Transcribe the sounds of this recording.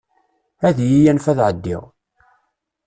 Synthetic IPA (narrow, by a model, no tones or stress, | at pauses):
æðjijænfæðʕəd̪ːɪ̰ʁ